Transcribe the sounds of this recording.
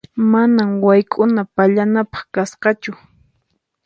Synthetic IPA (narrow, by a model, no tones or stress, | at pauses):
manamwajkʼʊnapaʎanapɑ̥χkasqɑt͡ʃʊ